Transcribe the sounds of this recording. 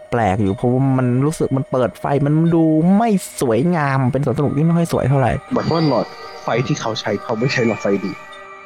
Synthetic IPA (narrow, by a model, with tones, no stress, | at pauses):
plɛː˨˩k̚juː˨˩pʰɔ˦˥waː˥˩ma˧nɾuː˦˥sɯ˨˩k̚ma˧npɤː˨˩t̪̚fa̰˧jma˧n˧duː˧ma˥˩jsu˩˦əjŋaː˧mpe˧nsu˩˦nsa˧u˨˩t̪ʰiː˥˩ma˥˩jxʰɔ˥˩jsu˩˦jt̪ʰa˥˩wɾa̰˨˩jbɔː˨˩twa˥˩lɔː˨˩t̪̚fa˧jt̪ʰiː˥˩kʰa˦˥wt͡ɕʰa˦˥jkʰa˧˦˩wma˥˩jt͡ɕʰa˦˥jnɔː˨˩fa˧jdiː˧˩